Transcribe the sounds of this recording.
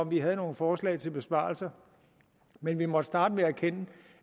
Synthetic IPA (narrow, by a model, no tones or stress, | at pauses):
ɒ̽mʋiɦæð̞̩ˠno̝ːn̩fɒːslɛ̰ːɪt͡sʰe̝lb̥e̝sb̥ɑ̰̈ːlsɐ | menʋimɒ̽d̥əsd̥ɑ̈ːd̥əmeækʰenə